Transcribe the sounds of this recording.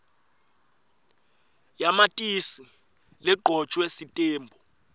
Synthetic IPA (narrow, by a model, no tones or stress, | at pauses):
jamatʼisi | lɛɡ͡ǃʱɔ̥t͡ʃʰʼwesitʼeːmbʱɔ